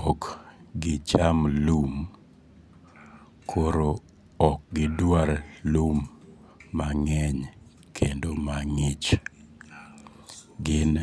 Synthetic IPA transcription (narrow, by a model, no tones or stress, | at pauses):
ɔkɡɪt͡ʃamlum | kʰoɾo | ɔk̚ɡɪdwaɾlumː | aŋɛɲ | kʰendomaŋɪt͡ʃ | ɡɪn